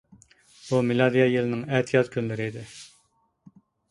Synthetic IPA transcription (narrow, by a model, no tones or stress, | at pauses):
bumɪlˠɑd̪ijɑjelɪnɪŋɛt̪ʰijɑt̪kʲʰynlɪɾɪid̪ɪ